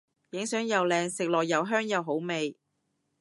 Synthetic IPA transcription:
jɪ˨˥ŋsœː˨˥ŋjɐ˨wlɛː˨˧ŋsɪ˨k̚lɔː˨˩k̚jɐ˨wɦœː˥ŋjɐ˨wɦo˨˥wme˨j

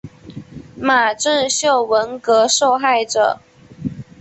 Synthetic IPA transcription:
ma˨˩ʈ͡ʂə˥˧ɕjo˥˩ʊwə˧˦˥nkɤ˧˥ʂo˥˧ʊxa˥˩ɪʈ͡ʂə̰˨˩

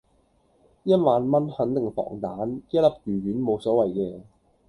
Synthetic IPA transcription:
jɐ˥t̚maː˨˧nmɐ˥nhɐ˨˥nt̪ɪ˨˩ŋfɔ̰ː˨˩ŋt̪aː˨˥nkeː˥lɐ˥p̚kyː˨˩ɥyː˨˥nmo˨˧wsɔː˨˥wɐ˨˩jkɛː˧

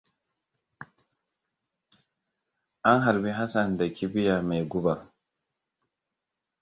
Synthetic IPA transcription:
ʔa˦nɦa˨ɾbi˦ɦa˦sa˨nda˨kʲi˦bi˦ja˨ma˨jɡu˦ba˨

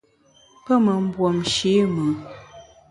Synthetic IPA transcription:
pə˦mə˨m̩˦bwɔ˨mʃe˨˦mɨ˨

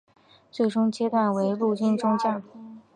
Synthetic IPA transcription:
t͡swe˥˩ɪʈ͡ʂʊ˥ŋt͡ɕjɛ˥t̪wa˥˩nwe˧˥ɪlu˥˩ɕi˥nʈ͡ʂʊ˥ŋt͡ɕja˥˩˧

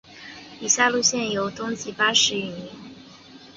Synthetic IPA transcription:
i˨˩ɕja˥˧lu˥˧ɕjɛ˥˩njo˨˩ʊt̪ʊ˥ŋt͡ɕi˧˥˩pa˥ʂɻ̩˧˥y˨˩ni˧˥˦n

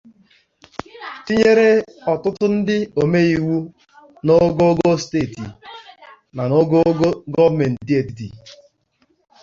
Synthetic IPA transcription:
ti˦ɲe˦ɾe˦ɔ˨tʊ˦tʊ˦n̩˦dɪ˦o˨me˦i˦˨wu˦ | no˦ɡo˦ɡo˦steː˦˨tḭ˨ | na˨no˦ɡo˦ɡɔ˦me˨n̩˨ti˦e˨ti˨tḭ˨

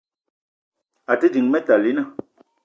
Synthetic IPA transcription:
a˨tə˦di˨ŋmɛ˦ta˨li˨˦na˦˨

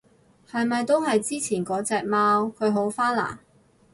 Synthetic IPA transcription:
hɐ˨jmɐ˨jt̪o˥wɦɐ˨jt͡siː˥t͡sʰiː˨˩nkɔː˨˥t͡sɛː˨˧k̚maː˥wkʰɵ˨˧ɥɦo˨˥wfaː˥nla̰ː˨˩

